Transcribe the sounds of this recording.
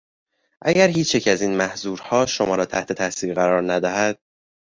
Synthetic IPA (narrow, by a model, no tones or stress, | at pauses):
ʔæɟæɾhiːt͡ʃʰjecʰæziːnmæhzuːɾhɒːʃo̞mɒːɾɒːt̪ʰæht̪ʰe̞t̪ʰæsiːɾɣæɾɒːɾnæd̪æɦæd̪̥̚